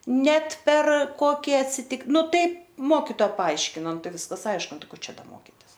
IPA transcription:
ˈnʲɛt pʲɛr ˈkoːkʲɪ ɐtʲˈsʲɪtʲɪk ˈnʊ ˈtɐɪp ˈmoːkʲɪtoːɐ pɐˈɐɪʃʲkʲɪnɐ ˈnʊ ˈtɐɪ ˈʋʲɪskɐs ˈɐɪʃkʊ ˈnʊ ˈkoː ˈt͡ʃʲɛ ˈdɐ ˈmoːkʲɪtʲɪs

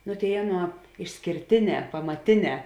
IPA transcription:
nʊ ˈtʲeːɪ ˈɑːˌnuɔ ɪʃʲsʲkʲeːrʲˈtʲeːˌnʲɛː pɐmɐˈtʲeːˌnʲɛː

